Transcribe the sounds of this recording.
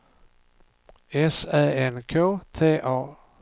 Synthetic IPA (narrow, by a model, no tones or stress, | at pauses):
esæ̰ːenkʰo̰ːt͡sʰe̝̰ːʔɒ̰ː